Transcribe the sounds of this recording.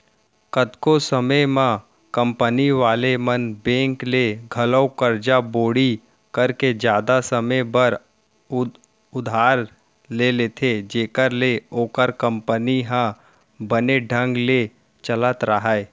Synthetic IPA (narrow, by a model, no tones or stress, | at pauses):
kəd̪kosəməmã | kə̃mpəniʋaːlemənbẽːŋkleɡʱələwkəɾd͡ʒaboːɽi | kəɾked͡ʒjaːd̪asəməjbəɾ | ʊd̪ʱaːɾ | leleːt̪ʰed͡ʒeːkəɾleoːkəɾkə̃mpəniɦã | bəneɖʱə̃ŋɡle | t͡ʃələt̪ɾəɦae